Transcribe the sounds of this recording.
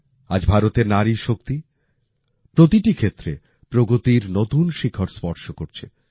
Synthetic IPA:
a̰d͡ʑbʱaɾot̪eɾnaɾiʃok̚t̪i | pɾot̪iʈikʰet̪ːɾe | pɾoɡot̪iɾnot̪unʃikʰːoɾspɔɾʃokoɾt͡ɕʰe

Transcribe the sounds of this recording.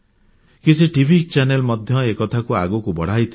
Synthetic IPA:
kit͡sʰiʈibʱik̚t͡ʃanelmʌd̪ʱjʌekʌt̪ʰakua̰ɡukubʌɽ̤ajt̪ʰ

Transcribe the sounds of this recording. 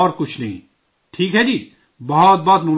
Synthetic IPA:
ɔːɾkʊt͡ʃʰnɐɦḭ̃ | ʈʰiːkɦɛːd͡ʒiː | bɐɦɔt̪̚bɔːt̪nu

